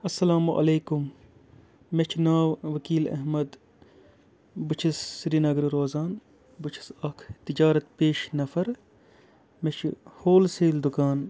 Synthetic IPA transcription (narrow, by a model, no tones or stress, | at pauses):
ɐsːɐlaːmuʔɐ̰leːkumː | et͡ʃʰnaːwʋɐkiːlɐ̰ɦmɐd̪ | but͡ʃʰisːɾiːnɐɡɾiɾoːzaːn | but͡ʃʰi̥sɐkʰt̪id͡ʒaːɾɐt̪peːʃnɐfɐɾ | met͡ʃʰhoːlseːld̪ʊkaːn